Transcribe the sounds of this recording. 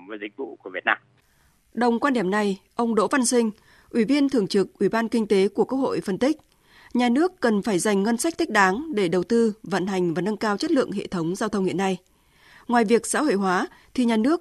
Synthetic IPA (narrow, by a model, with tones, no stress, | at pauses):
vəː˨˦jzï˨˩k̚vṵ˧˨ku˧˩əvi˨˩ət̚naː˧m | ɗə˨˩wŋ͡mkwaː˧nɗi˧˩əmna˨˩jʔə˧wŋ͡mɗo̰˧˥va˧nsï˧ŋ̟ | ʔwi˧˩vi˧ənt̪ʰɨ˨˩əŋt͡ɕɨ˨˩k̚ʔwi˧˩ɓaː˧nkï˧ŋ̟t̪e˨˦ku˧˩əku˦˥kho̰˧˨jfə˧nt̪ï˦˥k̟̚ | ɲaː˨˩nɨ˦˥əkːə˨˩nfaː˧˩jza˨˩jŋ̟ŋə˧nsa˦˥k̚t̪ʰï˦˥k̟̚ɗaː˨˦ŋɗe˧˩ɗə˨˩wt̪ɨ˧və̰˧˨nɦa˨˩jŋ̟vaː˨˩nə˧nkaː˧wt͡ɕə˦˥t̚lɨ̰˧˨əŋɦḛ˧˨t̪ʰə˨˦wŋ͡mzaː˧wt̪ʰə˧wŋ͡mhḭ˧˨ənːa˧j | ŋwaː˨˩jvi˨˩ək̚sa̰ː˧˥ho̰˧˨jɦwaː˨˦t̪ʰi˨˩ɲaː˨˩nɨ˦˥ək̚